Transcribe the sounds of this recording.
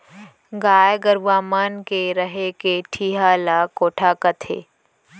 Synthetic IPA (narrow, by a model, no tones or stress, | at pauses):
ɡaːjɡəɾʋaːmaːnkeɾəɦekeʈʰiːɦaːlaːkoːʈʰaːkət̪ʰḛː